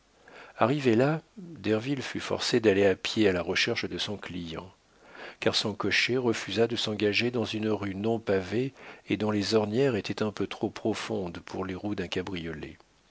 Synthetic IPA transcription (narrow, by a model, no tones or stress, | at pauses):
a̰ʁivelad̪ɛʁvilfyfɔ̰ʁsed̪aleapjealaʁəʃɛʁʃd̪əsɔ̃klijɑ̰̃ | kaʁsɔ̃kɔʃeʁəfyzad̪əsɑ̃ɡaʒed̪ɑ̃zynʁynɔ̃paveed̪ɔ̃lezɔʁnjɛʁet̪ʰɛt̪ɛ̃pøt̪χopχɔfɔ̃d̪pʰuʁleʁud̪ɛ̃kabʁijɔlḛ